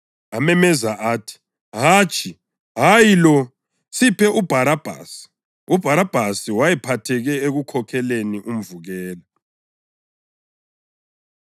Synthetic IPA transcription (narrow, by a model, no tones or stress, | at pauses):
amɛmɛzaʔaːtʰi̥ | ɦaːt͡ʃʼi | ɦajilɔ | sipʰɛʔub̥ʱaɾab̥ʱa̰ːsi̥ | ub̥ʱaɾab̥ʱasiwajɛpʰatʰɛɣɛeɣukʰɔkʰɛleniʔum̩vuɣɛːla